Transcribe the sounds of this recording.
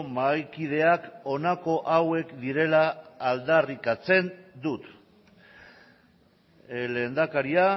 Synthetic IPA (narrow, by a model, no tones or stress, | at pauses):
majkið̞e̞ako̞nako̞ʔawe̞kd̪iɾe̞laːld̪arikat͡se̞nd̪ut̪ | le̞ːnd̪akaɾia